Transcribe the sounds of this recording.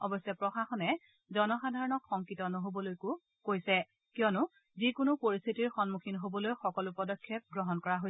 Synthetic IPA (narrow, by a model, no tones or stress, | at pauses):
ɔbɔsɛpɹɔxaxɔnɛ | zɔnɔxadʱaɹɔnɔkxɔŋkitɔnɔɦobɔlojkʊ | kojsɛ | kiɔnʊ | zikʊnʊpoɹist̪ʰitiɹxɔnmukʰinɦobɔlojxɔkɔlupɔdɔkʰːɛp̚ɡɹɔɦɔnkɔɹaɦoj